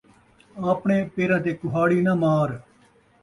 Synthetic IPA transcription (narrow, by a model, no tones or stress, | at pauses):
aːpɳẽːpeːɾãːt̪eːkʊɦaːɽiːnaːmaːɾ